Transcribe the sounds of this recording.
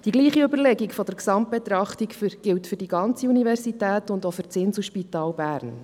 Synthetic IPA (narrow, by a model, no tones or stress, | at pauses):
d̥iɡliːχiøbəɾlɛɡikfɔdɛɾksɑmt̚b̥et̪ɾɑχtikfyɡ̥ɪltfʏɾdiɡɑnt͡siunivɛɾsitæːtʊndofʏɾt͡sɪnsuʃpitɑːlbæːɾn